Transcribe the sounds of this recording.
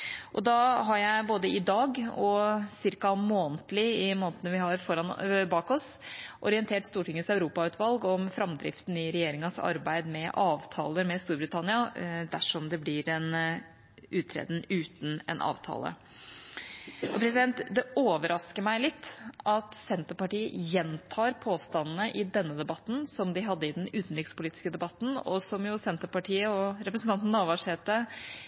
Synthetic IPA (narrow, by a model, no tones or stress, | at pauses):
ʔɔd̪ɑɦɑɾjæɪboːd̪əɪd̪ɑːɡɔsɪɾkɑmoːnt̪lɪɪmoːnt̪ənəʋɪhɑɾfɔɾɑnbɑːkɔsʔɔɾɪɛnt̪ʰeːʈst̪uːʈɪŋːənsɑʉɾuːpɑʉːt̪ʰʋɑlɡɔmfɾɑmd̪ɾɪ̰ft̪n̩ɪɾɛjeːɾɪŋɑsɑ̰ɾbæɪd̪mɛʔɑːʋt̪ʰɑ̰ːləmɛst̪uːɾbɾɪt̪ʰɑnɪɑd̪æʂɔmd̪ɛblɪɾɛn | ʉːt̪ʰːɾɛ̰ːd̪n̩ʉːt̪n̩ɛ̰nʔɑ̰ːʋt̪ʰɑ̰ːlə̰ | ʔɔpʰɾɛsɪd̪ɛnt̪d̪ɛoːʋəɾʔɑskəɾmæɪlɪt̪ʰːʔɑt̪sɛnt̪əpɑʈiːə̰jɛnt̪ʰɑːɾpʰoːst̪ɑnːnəʔɪd̪ɛnːəd̪ɛbɑt̪ːn̩sɔmd̪ɪɦɑd̪ːəɪd̪ɛnʉːt̪n̩ɾɪkspʊliːt̪ɪ̥skəd̪ɛbɑt̪ːn̩ɔ̰sɔmjʊsɛnt̪əɾpɑʈʰiːəɔɾɛpɾəsn̩t̪ɑnt̪n̩ɑʋɑʂheːt̪ə